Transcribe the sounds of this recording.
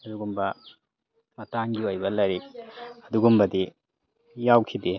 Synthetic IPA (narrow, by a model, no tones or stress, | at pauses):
ɐduɡumbɐ | mɐtaŋɡiojbɐlɐɾik̚ɐduɡumbɐdi | jawkʰidi